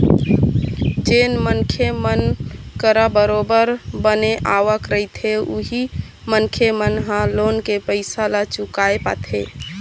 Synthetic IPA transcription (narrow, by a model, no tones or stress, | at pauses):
d͡ʒeːnmənkʰemənkəɾabəɾobəɾbəneʔaːʋəkɾəit̪ʰeṵɦi | mənkʰemənɦãloːnkepəɪsalat͡ʃʊkaepa̰ːt̪ʰḛː